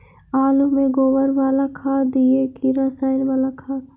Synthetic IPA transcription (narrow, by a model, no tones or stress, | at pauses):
aːlumẽɡoːʋəɾʋaːlakʰaːd̪iekiɾasaːɪnbaːlakʰaːt̪